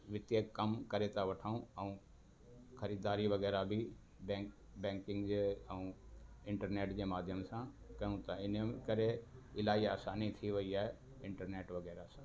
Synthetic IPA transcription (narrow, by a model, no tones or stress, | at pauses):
ʋɪt̪jəkːɐmkɐɾet̪aʋɐʈʰaːũɛ̃ũ | xɐɾiːd̪aːɾiʋɐɣɛːɾabʱɪ | bɛ̃ːk | bɛ̃ːŋkɪ̃ŋɡd͡ʑeːɛ̃ũ | ɪ̃ɳʈəɾneːʈd͡ʑeːmaːd̪ʱjəmsã | kɐjũt̪ɐɪnkɐɾeɪlaːiaːsaːnit̪ʰiʋɐiaːɦe | ɪ̃ɳʈəɾneːʈʋɐɣɛːɾasã